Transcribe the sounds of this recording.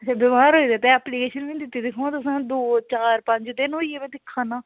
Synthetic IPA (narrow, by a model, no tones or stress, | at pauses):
ət͡ʃʰãːbɪmaːɾɦoːiːd̪ɛːt̪ɛ̃ɛːpliːkeːʃənʋĩːd̪ɪt̪ːiːd̪ɪkʰõːãːt̪ʊsãːd̪oːt͡ʃaːɾpə̃ɲd͡ʒt̪ɪnɦoːiːɛːmɛ̃ːd̪ɪkʰːãːnãː